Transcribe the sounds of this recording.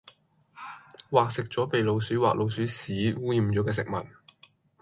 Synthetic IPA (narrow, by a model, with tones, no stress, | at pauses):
waː˨k̚sɪ˨k̚t͡ʃɔː˨˥pe˨jlo˨˧wsyː˨˥waː˨k̚lʔo˨˧wsyː˨˥siː˨˥wuː˥jiː˨˩mt͡ʃɔː˨˥kɛː˧sɪ˨k̚mɐ˨˩t̚